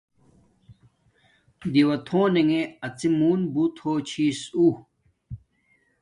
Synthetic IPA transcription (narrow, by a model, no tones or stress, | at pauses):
d̪iwɐt̪ʰõːneŋeɐt͡simuːnbut̪ʰoːt͡ɕʰiːsu